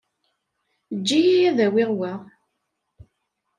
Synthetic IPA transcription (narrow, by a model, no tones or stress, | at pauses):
d͡ʒːijijæðæwɪʁwæ